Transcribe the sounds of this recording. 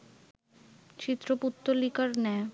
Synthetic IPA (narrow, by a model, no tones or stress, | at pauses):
t͡ɕit̪ːɾoput̪ːolikaɾnɛ